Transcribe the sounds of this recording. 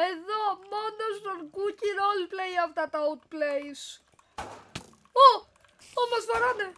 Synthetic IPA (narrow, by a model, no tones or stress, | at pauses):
eðo̞mo̞nost̪onɡuciɾo̞liplejɐft̪ɐt̪ɐut̪̚plejs | o | omɐzvɐɾɐne